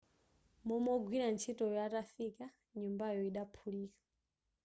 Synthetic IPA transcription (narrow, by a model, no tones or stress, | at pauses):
mɔmɔɡwiɾant͡ʃʰitɔjatafika | ɲumbajɔiɗapʰuliːkḁ